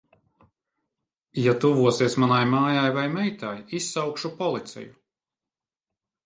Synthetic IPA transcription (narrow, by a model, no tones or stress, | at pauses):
jat̪uvuɔsiɛsmanajmaːjajvajmɛjt̪ajisːawkʃupɔlˠit̪sʲɛ̰ju